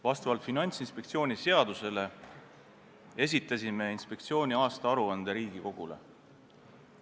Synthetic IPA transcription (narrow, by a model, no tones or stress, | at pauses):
vɑst̪ɑvɑlt̪finɑnʲt̪sinspek̚t̪sio̞ːnʲise̞ɑd̪̥use̞le̞ | e̞s̬ʲit̪ːˑɑsime̞inspe̞k̚t̪sio̞ːnʲiɑːst̪ɑɑɾuɑnd̪̥eɾiːɡ̥iko̞ɡ̥ule̞̰